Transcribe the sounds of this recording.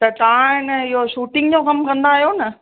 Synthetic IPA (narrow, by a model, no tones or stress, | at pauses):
t̪ɐt̪aãɪnəɪɦoʃuːʈɪ̃ŋɡd͡ʑokɐmkɐ̃nd̪aːɦijonɐ